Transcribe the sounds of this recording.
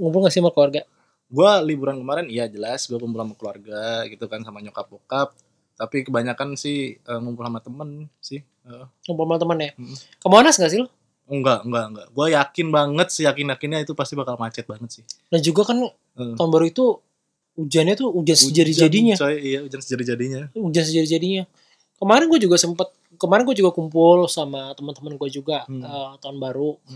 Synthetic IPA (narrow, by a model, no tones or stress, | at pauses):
ŋump̬ʊlŋɡaʔsiməkəluarɡa | ɡualibuɾankəmaɾɛnijad͡ʒəlasɡuakumpulhamakluarɡaɡit̪ukansamaɲokap̚okap̚ | t̪apikəbaɲakansɪhəŋumpulhamat̪əmənsɪh | əʔəŋumpulamant̪əmənjaəhm̩kamanasŋɡaʔsilɔ | əŋɡaʔŋɡaʔŋɡaʔɡuajakɪnbaŋət̪̚sɪhjakɪnjakɪnɲait̪upast̪ibakalmat͡ʃɛt̪̚baŋət̪̚sɪhnahd͡ʒuɡakan | əət̪aʊnbaɾuit̪u | ud͡ʒanɲat̪uud͡ʒansəd͡ʒaɾiadiɲaijaud͡ʒansəd͡ʒadid͡ʒadiɲaud͡ʒansəd͡ʒadid͡ʒadiɲa | kəmaɾɪnɡuad͡ʒuɡasəmpat̪̚ | kəmaɾɪnɡuad͡ʒuɡakumpʊlsamat̪əmənt̪əmənɡuad͡ʒuɡaət̪aʊnbaɾu